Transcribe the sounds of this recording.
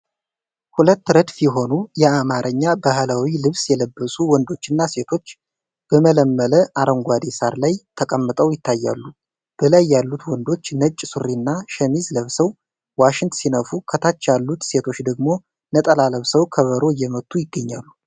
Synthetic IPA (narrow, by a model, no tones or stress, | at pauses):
hulət̪ːɾəd̪fiɦo̞nujɛamaɾʔəɲːabaɦəlawilɨβsjɛləbːəsuwɔnd̪o̞t͡ʃːɨnːase̞t̪ʰo̞t͡ʃː | b̥əmələmːələʔaɾəŋɡʷad̪esaɾlajt̪ʰəkʼəmːɨt̪ʼəwjɪt̪ʰːajːa̰lːu | b̥əlajːalːut̪wɔnd̪o̞t͡ʃːnət͡ʃʼːsuɾːinːaʃəmizləβsəw | waʃɪŋt̪sinəfukʰət̪ʰat͡ʃalːut̪se̞t̪ʰo̞t͡ʃːd̪əɡmo̞ | nət̪ʼəlaləβsəwkʰəβəɾo̞jɛmət̪ʼːujɪɡːəɲːalːu